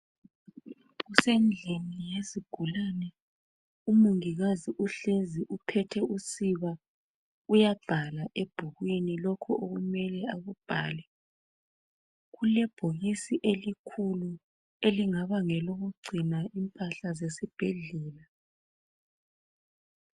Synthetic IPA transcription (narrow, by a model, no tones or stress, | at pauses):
ɣusend͡ɮʱinijeziɡ̥ʱulanɛ | umuŋiɣaziʔuɬeziʔupʰɛtʰɛusiβa | ujab̥ʱalaʔeb̥ʱuɣwinilɔkʰɔʔoɣumɛlɛaɣub̥ʱaːlɛ | ɣulɛb̥ʱoɣisiʔelikʰulu | eliŋaβaŋɛloɣuɡ͡ǀʱinaimpʼaɬazesib̥ʱeɮɛːla